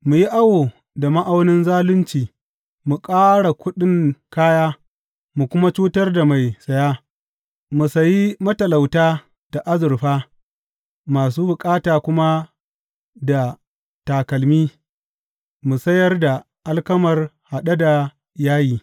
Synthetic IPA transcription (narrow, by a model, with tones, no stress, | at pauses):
mu˨ji˦ʔa˦woː˨ | da˨ma˦ʔa˦wnɪ˦nzaː˦lʊ˦nt͡ʃiː˨ | mu˨kʼaː˦ɽa˨kʷʊ˦ɗɪ˦ŋkaː˦jaː˦ | mu˨kʷʊ˦ma˦t͡ʃuː˦tɐ˦rda˨ma˨jsɐ˨jaː˦ | mu˨sɐ˨ji˦mɐ˦tɐ˨la˨wtaː˦ | dd̥a˨ʔa˦zʊ˨ɾɸaː˦ | maː˨s̬uː˦bʊ˨kʼaː˦taː˨kʷʊ˦ma˦ | da˨ | taː˨kɐ˨lmiː˦ | mu˨sɐ˦jɐ˦rda˨ | ʔa˦lkɐ˦mɐ˨rha˨ɗa˦da˨ | jaː˦jiː˦